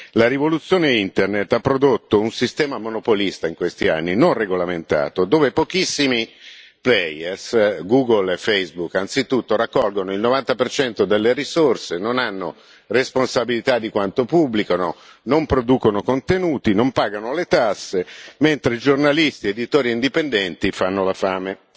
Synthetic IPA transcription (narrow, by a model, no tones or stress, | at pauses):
laɾivolut̪sːjoːneint̪ernet̪ːapːɾod̪ot̪ːounsist̪ɛːmamonopolist̪aiŋkwest̪ia̰nːinonreɡolament̪a̰ːt̪od̪oːvepok̟isːimi | plɛjɛrsɡuːɡolefejsbukːant̪sit̪ut̪ːoɾakːɔlɡonoilnovant̪apert͡ʃɛnt̪od̪elːeɾisorsenonanːo | responsabilit̪ad̪ːikwant̪opubːlikano̰ | nompɾod̪uːkonokont̪enuːt̪inompaːɡanolet̪asːement̪ɾeid͡ʒornalist̪ied̪it̪oːɾiːnd̪ipend̪ɛnt̪ifanːolafaːme